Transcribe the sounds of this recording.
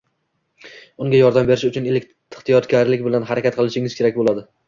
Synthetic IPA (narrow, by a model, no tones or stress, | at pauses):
ʊŋɡʲajɒɾd̪ambe̞ɾɪʃʊt͡ʃʰʊnelɪkʲ | ɪ̥χt̪ijɒt̪ɡʲaɾlɪk̚ʲbɪlanɦaɾakʲat̪̚qʰɨlˠɪʃɪŋɪz̥kʲʰeɾak̚ʲbolˠad̪ɪ